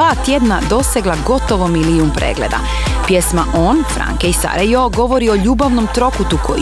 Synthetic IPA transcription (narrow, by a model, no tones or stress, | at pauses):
aːt̪jed̪nad̪o̞seɡlˠaɡo̞t̪o̞ʋomiliumpɾḛːɡle̞̰d̪a̰ | pje̞smaʔo̞ːnfɾa̰ŋkeisa̰ɾejoɡo̞ʋo̞ɾio̞ʎuːbaʋno̞mt̪ɾo̞kut̪ukʰo̰